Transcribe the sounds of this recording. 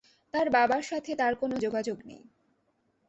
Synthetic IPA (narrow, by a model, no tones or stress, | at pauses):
t̪aɾbabaɾʃat̪ʰet̪aɾkonod͡ʑoɡad͡ʑoɡnḛj